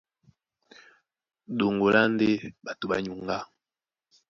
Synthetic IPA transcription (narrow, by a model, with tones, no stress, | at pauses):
ɗo˨ŋɡo˨lʔa˦n˦de˦ɓa˨to˨ɓa̰˨ɲu˨ŋɡa˦